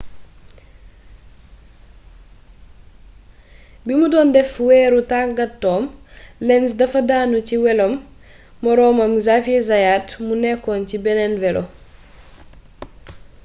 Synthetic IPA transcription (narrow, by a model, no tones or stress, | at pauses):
bimudɔndɛfwɛːɾutaɡɐtːɔːmlɛns̬dɐfɐdaːnuciwɛlɔmː | ɔɾɔːmɐmzafiɛzajaːtmunɛkːɔːncibɛnɛnvɛlɔ̰